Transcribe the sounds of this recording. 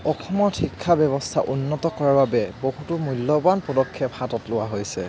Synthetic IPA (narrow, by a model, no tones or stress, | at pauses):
ɔxʰɔmɔthikʰːabɛβɔstʰa̰ʔunːɔtɔkɔɹaɹbabɛboɦutʊmulːɔbanpɔdɔkʰːɛphatɔtlʊwaɦojsɛ̰